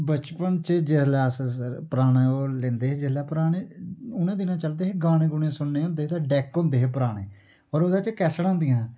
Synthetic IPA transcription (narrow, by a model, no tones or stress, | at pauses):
bət͡ʃpənt͡ʃəd͡ʒɪslɛːsəɾpəɾaːneːoːlẽːnd̪eːɦed͡ʒɪslɛːpɾaːneːʊnẽːd̪ɪnãːt͡ʃəld̪eːɦeːɡaːnẽːɡʊnẽːsʊnːeːʊ̃nd̪eːɦeːt̪ãːɖɛːkːõnd̪eːɦeːpəɾaːɽ̃eː | ɔːɾoːd̪aːt͡ʃkɛːsɽãːnd̪ɪjãː